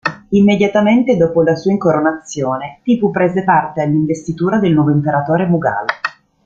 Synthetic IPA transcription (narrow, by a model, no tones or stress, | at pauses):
imːed̪jat̪ament̪ed̪ɔːpolasuːaiŋkoɾonat̪sːjoːnet̪ipupːɾeːzepart̪ealːiɱvest̪it̪uːɾad̪elnwɔːvoimpeɾat̪oːɾemuɡa̰ːlo